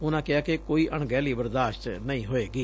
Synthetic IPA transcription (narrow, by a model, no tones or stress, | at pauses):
ʊnãːkɪaːkekoːiːʔəɳɡɛːliːbəɾd̪aːʃʈnəĩːɦoːeːɡiː